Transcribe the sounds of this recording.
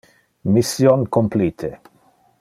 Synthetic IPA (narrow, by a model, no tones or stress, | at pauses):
misjonkompliːt̪ʰe